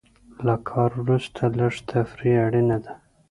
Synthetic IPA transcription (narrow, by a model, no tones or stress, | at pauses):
lakʰɑɾwɾust̪ʰaləʐt̪ʰafɾiaɽinad̪a